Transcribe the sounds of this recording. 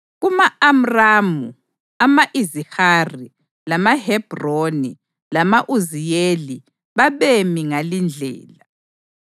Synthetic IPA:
ɣumaam̩ramu | amaʔizihari | lamahɛb̥roni | lamaʔuzijeli | βaβemiŋalind͡ɮʱɛ̰ːla

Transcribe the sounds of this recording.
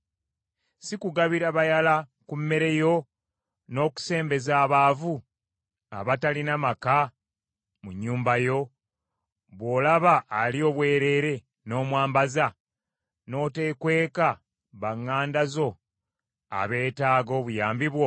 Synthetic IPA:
sikuɡaβiɾaβajalakumːe̞ɾe̞jo̞ | no̞ːku̥se̞ːmbe̞zaːβaːvu | a̰βatalinamaka | muɲːuːmbajo̞ | βwo̞ːlaβaʔːlio̞ːβwe̞ːɾe̞ːɾe̞ | no̞ːmwaːmbaza | no̞ːte̞kwe̞ːka | βaŋːaːndazo̞ | a̰βe̞ːtaːɡo̞ːβujaːmbiβwo̞

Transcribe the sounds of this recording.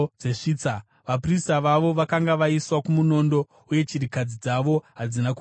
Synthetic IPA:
d͡ze̞ʂiːt͡sa | ʋapristaʋaʋo̞ʋakaŋɡaʋaiswakumuno̞ndo̞ | uje̞t͡ʃiɾikad͡zid͡zaʋo̞ɦad͡zinaku

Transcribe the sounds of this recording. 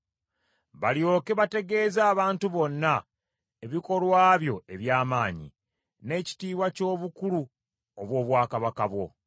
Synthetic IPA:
βaljo̞ːkeβate̞ɡe̞ːzaːβaːntuβo̞nːa | eβiko̞lwaːβjo̞e̞βjaːmaːɲḭ | ne̞ci̥tiːβwaco̞ːβukulu | oβwo̞ːβwaːkaβakaβwo̞̰

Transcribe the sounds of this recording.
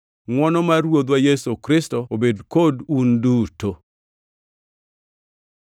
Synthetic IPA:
ŋwɔnɔmarwod̪wajɛsokɾɪstoobedkodunduto

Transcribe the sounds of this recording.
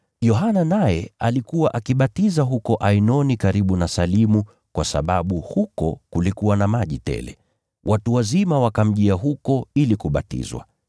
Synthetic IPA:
jɔɦananajɛalikuwaʔakiɓatizaɦukɔʔainɔnikaɾiɓunasalimu | kwasa̰ɓaɓuhukɔ̰kulikuwanamaʄitɛ̰lɛ̰ | wʔatuwazimawakam̩ʄiaɦukɔilikuɓa̰tḭzwa̰

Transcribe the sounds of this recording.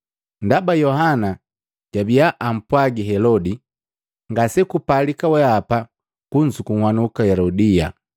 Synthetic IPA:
ndabajɔɦana | ɟ̥abijaʔam̩pwaɡiɦɛlɔdi | ŋɡasɛkupalikawɛapa | kuɲd͡ʒukuŋhwanukahɛlɔdija

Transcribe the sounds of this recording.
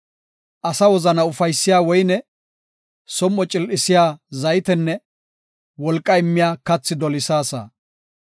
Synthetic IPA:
ʔɐsɐwɔzɐnɐʊfɐjsːɪjaːwɔjnɛ | sɔmːɔt͡ʃʼɪlʔɪsɪjaːzɐjt̪ɛnːɛ | wɔlkʼːɐɪmːɪjaːkɐt͡sːɪd̪ɔlɪsaːsɐ̰

